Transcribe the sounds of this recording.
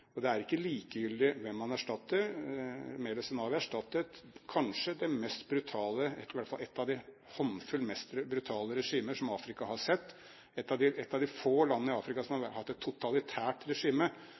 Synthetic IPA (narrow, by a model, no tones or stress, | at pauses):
ɔd̪ɛæɾɪkːəliːkəjʏld̪ɪʋɛmːɑnæʂʈɑt̪ːəɾ | meːləsɛnɑʋɪæʂʈɑt̪ːət̪kʰɑnʂəd̪ɛmɛst̪bɾʉt̪ʰɑːləɪʋæʈːəfɑlɛt̪ːɑʋd̪ɪ | hɔnfʉlmɛst̪bɾʉt̪ʰɑːləɾɛʂiːməʂɔmɑːfɾɪkɑhɑʂɛt̪ː | ɛt̪ːɑd̪ɪɛt̪ːɑʋd̪ɪfoːlɑnːənəɪɑːfɾɪkɑsɔmhɑhɑt̪ːɛt̪ʰːʊt̪ʰɑlɪt̪ʰæːʈɾɛʂiːmə